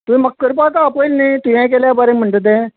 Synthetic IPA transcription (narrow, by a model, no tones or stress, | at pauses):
t̪ʊĩːməkːəɾpaːk̪aːpoːlnẽːt̪ʊɛ̃ːk̬ɛːlaːbaːɾẽːməɳɖd̪ẽː